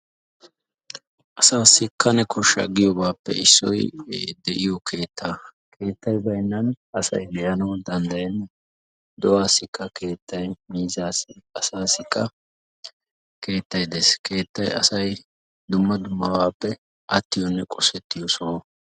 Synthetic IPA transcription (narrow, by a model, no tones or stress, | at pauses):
ʔɐsaːsːɪkʰːɐnɛkʰɔʃɐ̰ɡɪjɔbaːpːɛ̰ɪsːɔ̰jd̪ɛʔɪjɔkʰe̞ːt̪ʰːaː | kʰe̞ːt̪ːɐjbɐjnːɐn | ɐsɐ̰jbɛjɐnɐwd̪ɐnd̪ɐjɛnː | d̪ɔwaːsːɪkːɐke̞ːt̪ːɐjmiːzaːsɐsaːsːɪkːɐ | ke̞ːt̪ːɐjd̪eskʰe̞ːt̪ːɐjɐ̰sɐj | d̪ʊmːɐd̪ʊmːɐwaːpːɛ | ʔɐt̪ːɪjɔnːɛkʼɔsɛt̪ːɪjɔsoː